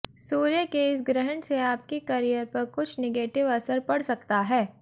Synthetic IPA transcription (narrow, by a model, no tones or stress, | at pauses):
suːɾjəkeɪs̬ɡɾɪɦəɳseaːp̚kekɐɾijəɾpɐɾkʊt͡ʃʰneɡeːʈɪʋɐsəɾpɐɽ̤sɐk̚t̪aɦɛː